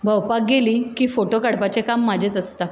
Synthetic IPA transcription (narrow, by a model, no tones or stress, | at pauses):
bʱəwpak̚ɡeliːkiːfoʈokaɽpat͡ɕekamːad͡ʑʱet͡səst̪a